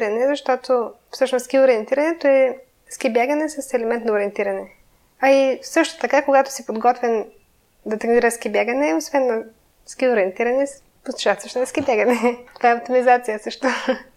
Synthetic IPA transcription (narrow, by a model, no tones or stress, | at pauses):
ɾɐnɛzɐʃt̪ɔt̪ʰofsɤʃnoskioɾiɛnt̪iɾɐnɛt̪oɛ | skʲibjaɡɐnɛsɐsɛlɛmɛnt̪nɐoɾiɛnt̪iɾɐnɛ | ɐisɤʃt̪o̥t̪ɐkakoɡat̪ʊ̥sipod̪ɡɔt̪vɛn | d̪ɐt̪ɾniɾəsk̟ibʲjaɡɐnɛosvɛnːɐ | skioɾiənt̪iɾɐnɛs | post̪u̥t͡ʃast̪əʃnoɛskʲibʲjaɡɐnɛt̪ovaɛɐpt̪omizat̪sijəsɤʃt̪o